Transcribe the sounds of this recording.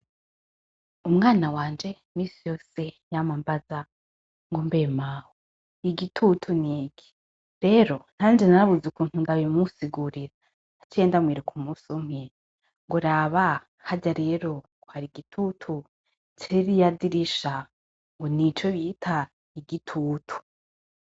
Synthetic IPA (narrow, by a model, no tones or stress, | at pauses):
umŋaːnawaːnd͡ʒe̞ | miːsijo̞ːse̞jamambaza | ŋɡombemaho | iɡitʰutʰuniːɡi̥ | ɾe̞ɾo̞n̥haːnd͡ʒenaɾaβuzukuːn̥hundaβimusiɡuɾiɾa | t͡ʃieːndamwiːɾukʰumusum̥he | ŋɡoɾaːβa | haɟaɾe̞ɾo̞ | ohaɾiɡitʰutʰu | t͡ʃiɾijadiɾiʃa | ŋɡonit͡ʃoβitʰa | iɡitʰuːtʰu̥